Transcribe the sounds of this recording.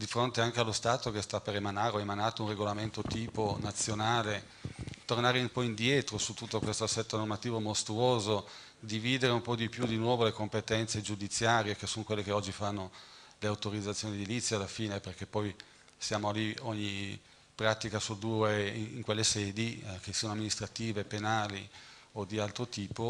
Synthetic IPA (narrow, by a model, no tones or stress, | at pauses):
d̪ifɾont̪eaŋkealːost̪aːt̪okest̪apeɾemanaːɾoemanaːt̪ounreɡolament̪ot̪iːponat̪sːjonaːle | t̪ornaːɾeumpɔind̪jɛt̪ɾosut̪ːut̪ːokwest̪oasːɛt̪ːonormat̪iːvomost̪ɾuoːzo | d̪iviːd̪eɾeumpɔd̪ipjud̪inwɔːvolekompet̪ɛnt̪sed͡ʒud̪it̪sːjaːɾjekesːoŋkwelːekeɔd͡ʒːifanːoleawt̪oɾid̪zːat̪sjoːnid̪ilit̪sːjialːafiːneperkepːɔj | sjaːmolioɲːi | pɾat̪ikasud̪uːeiŋkwelːesɛːd̪ik̟esːiːanoamːinist̪ɾat̪iːvepenaːli | od̪ialt̪ɾot̪iːpo